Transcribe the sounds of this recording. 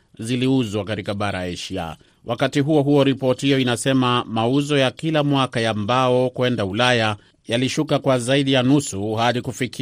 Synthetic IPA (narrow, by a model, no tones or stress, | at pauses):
ziliuzwakaɾikaɓaɾaɛʃia̰ | wʔakatiɦuɔɦuɔɾipɔtihijɔinasɛmamauzɔjakilamwakajambaɔkuɛndaulaja | jaliʃukakwazaiɗijanusuhaɗikufiki